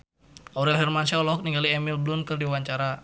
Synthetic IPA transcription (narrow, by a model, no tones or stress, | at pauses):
ʔɔɾɛlɦɛrmansɛɔlɔɦɔk̚niŋɡaliɛmilblunkərdiwaɲt͡ʃaɾa